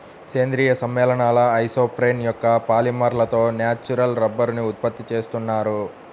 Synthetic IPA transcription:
seːnd̪ɾiːjɐsɐmːɛːlɐɳaːlɐɐjsoːpɾeːnjɔkːɐpaːlimɐɾlɐt̪o̞ːnjaːt͡ʃːuɾɐlɾɐbːɐɾuniut̪̚pɐt̪ːit͡ʃeːst̪unːaːɾu

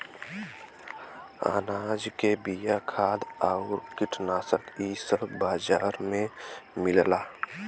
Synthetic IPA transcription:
a̰ːnad͡ʒkebijakʰaːd̪aʊɾkiʈʰnaːsəkisəbbaːd͡ʒaːɾmẽmilla

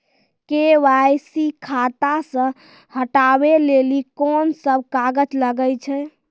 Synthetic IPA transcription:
keʋajsikʰat̪asə̃ | həʈabelelikɔnsəbʱkaɡət͡ʃləɡət͡ʃʰɛ

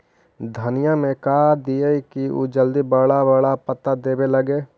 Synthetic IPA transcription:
d̪ʱənɪjamẽkaːd̪ieikiṵːd͡ʒəld̪ibəɽabəɭapət̪ad̪eːbelɐɡeː

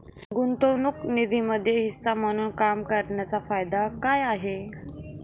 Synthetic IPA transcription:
ɡunt̪onuknid̪ʱiməd̪ʱjeɦisːam̤əñuːnkamkəɾɳjat͡safajd̪akajaɦe

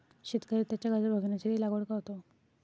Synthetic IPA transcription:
ɕit̪kəɾiːt̪ːjat͡ɕjaɡad͡zəɾbʱəɡnat͡ɕelilaɡoɽkaɦt̪o

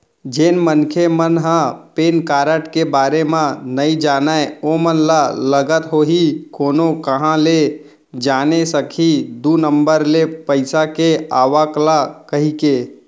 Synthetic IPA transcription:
d͡ʒenmənkʰemənɦə̃peːnkaːɾəʈkebaːɾemãnəid͡ʒaːnaeomənlaləɡət̪ɦoɦikoːnokəɦãle | d͡ʒaːnesəkʰid̪unəmbəɾlepəɪsakeaːʋaklakəɦike

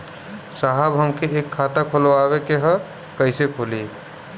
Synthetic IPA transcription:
saɦabɦəmkeekʰːat̪akʰolʋabekeɦə̃ | kəɪsekʰoli

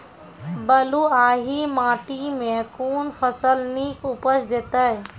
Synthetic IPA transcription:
bɐluːaːɦimãːʈimẽkuːnfʰəsəlniːkʊpəsd̪ɪt̪ə

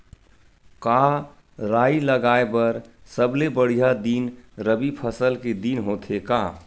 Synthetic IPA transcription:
ka | ɾaːiləɡaːebəɾsəblebəɽ̤ijad̪inɾəbipʰəsəlked̪inɦot̪ʰekaː

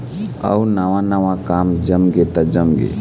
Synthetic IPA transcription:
ɐ̰unɐʋãnɐʋãkaːmd͡ʒɐmɡet̪ad͡ʒəmɡḛ

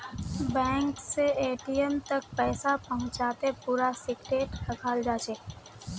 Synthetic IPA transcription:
bɛ̃ːŋkseeːʈijəmt̪ɐk̚pɛːsapɐɦʊ̃t͡ʃaːt̪epuːɾasɪkʈeːʈɐkʰaːld͡ʒaːt͡ʃeː

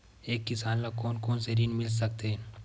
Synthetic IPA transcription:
eːkːɪsaːnlakoːnkoːnseɾiːnmɪls̬ɐk̚t̪eɦɛ̃ː

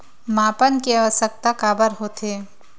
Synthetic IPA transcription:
mãːpənkeaʋəsək̚t̪akaːbəɾɦoːt̪ʰeː

